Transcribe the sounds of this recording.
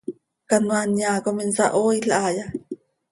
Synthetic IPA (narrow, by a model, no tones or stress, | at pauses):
kanwanjakominsa̰ʔoiɬʔaja